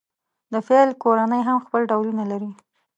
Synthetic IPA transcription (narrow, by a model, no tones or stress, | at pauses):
d̪əfelkoɾanəjɦamxpəlɖawlunalaɾi